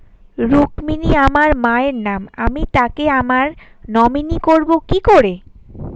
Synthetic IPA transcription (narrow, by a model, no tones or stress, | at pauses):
ɾukminiamaɾmaeɾnamamit̪akeamaɾ | nɔminikoɾbokikoɾe